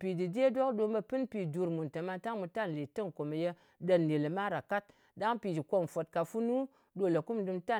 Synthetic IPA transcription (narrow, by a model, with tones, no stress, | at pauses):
pi˨di˨dʲe˦do˦kdo˧bə˧pɨ˦npi˨d͡ʒu˧ɾmu˨ntə˨ma˧ta˦ŋmu˧ta˦˨n˨li˨tɨ˦ŋko˨me˨je˧ | də˧n˨le˨le˨ma˦ɾa˨ka˦t̚ | da˦ŋpi˨d͡ʒi˨ko˧m˨fo˨t̚ka˨fu˦nu˦ | do˧˦˨lə˨ku˦mdɨ˧mta˦˨